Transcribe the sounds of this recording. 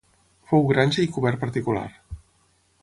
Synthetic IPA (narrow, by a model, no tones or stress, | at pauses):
fowɣɾanʲʒəikuβɛɾpəɾt̪ikula̰r